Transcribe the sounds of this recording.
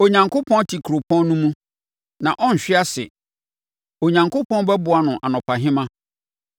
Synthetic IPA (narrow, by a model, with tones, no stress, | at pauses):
o˨ɲã˨ŋkʰʊ˦pʰɔ̃˦ntʰi˨kʰu˨ɾo˨pʰɔ̃˦nnũ˦mũ˦ | nã˨ʔɔ̃˦n̩˨ɕᶣɪ˦a˦sɪ̰˨ | o˨ɲã˨ŋkʊ˦pʰɔ̃˦n˦bɛ˦bʊ˨a˨nʊ̃˨ʔa̰˨nʊ̃˨pʰa˨ɦɪ̃˦mã˦